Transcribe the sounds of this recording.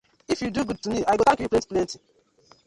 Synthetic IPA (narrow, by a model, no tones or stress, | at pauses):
ifjuduɡud̚tumiajɡotãŋkijuplẽnti̥plẽnti